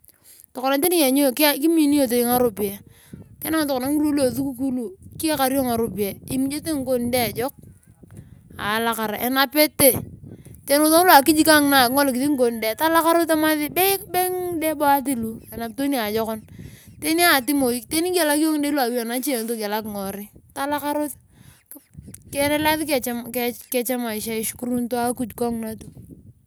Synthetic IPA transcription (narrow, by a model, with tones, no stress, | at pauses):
tɔ˨kɔ˨na˨te˦ni˦ke˨ɲo˦˨kki˦mi˦˨ni˦o˨t̬e˨ŋa˦ɾo˨pi˨e˨ | kɛ˦na˦ŋ˨tɔ˨kɔ˨na˨˦ŋu˦ɾo˦lo˨θu˦ku˦k̬u˦lu˨ki˦e˦ka˨ɾi˦o˦ŋa˨ɾo˨pi˨e˨i˦mi˦d͡ʒe˦te˦ŋ̩˦ko˦n˦de˦˨d͡ʒɔ˦k̚ | a̰˨la˦ka˨ɾa˨ʔḛ˨na˦pe˦te˦˨te˦n˦o˨ðo˦ŋ˦lo˦a˨ki˦d͡ʒi˦ka˦ŋ˦na˨kŋo˦lk̬ɪ˨ði˦ŋ˦ko˨n˨de˦˨ta˦la˦ka˦ɾo˦te˦ma˦ðɪ˦be˦be˦ŋde˦bo˦a˦t̬i˦lu˨e˨na˨p̚to˦ni˦a˨d͡ʒɔ˦kɔ˦nte˦ni˦a˨ti˦mo˨i˦te˦ni˦ke˨la˦ki˦o˦ŋde˦lwa˨wi˦a˨na˦t͡ʃi˦e˨ŋ˦to˦ɡe˨la˦kŋɔ˨ɾɪ˦ta˦la˦ka˦ɾo˦t | kɛ˨ɾɛ˦la˦ðkmkkɛ˦t͡ʃa˦ma˨ɪ˨ʃa˦ɪ˨˦ʃku˦ɾu˦nto˦a˦ku˨d͡ʒkɔ˦ŋna˦tu˨